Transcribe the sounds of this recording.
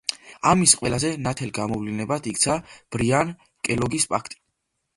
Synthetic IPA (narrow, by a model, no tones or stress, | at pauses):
amisqʼwɛlazɛnat̪ʰɛlɡamɔvlinɛbat̪ʰikt̪sʰab̥ɾian | kʼɛlɔɡispʼa̰kʰt̪ʼi̥